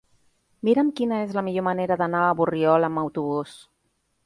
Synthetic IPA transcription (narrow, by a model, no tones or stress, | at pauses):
miɾəmkinəezləmiʎoməneɾəðənaəβuriɔləməwt̪uβ̞us